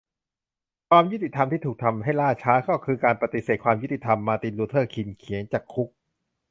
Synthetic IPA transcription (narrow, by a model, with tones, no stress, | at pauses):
kʰwaː˧mju˥t̪i˨˩t̪ʰa˧mt̪iː˥˩t̪ʰu˨˩k̚t̪ʰa˧mɦa˥˩jlaː˥˩t͡ɕʰaː˦˥kɔ˥˩kʰɯː˧kaː˧npa˧˩t̪i˨˩seː˨˩kʰwaː˧mju˦˥t̪i˨˩t̪ʰa˧mːaː˧t̪i˧nluː˧t̪ʰɤː˥˩kʰi˧nkʰi˩˦əŋt͡ɕaː˨˩kʰːu˦˥k̚